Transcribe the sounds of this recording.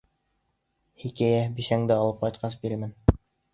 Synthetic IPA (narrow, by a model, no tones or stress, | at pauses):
hikæjæbiʃæŋd̪ɘɑlˠɤp̚qɑjt̪̚qʰɑs̬biɾɘmɘn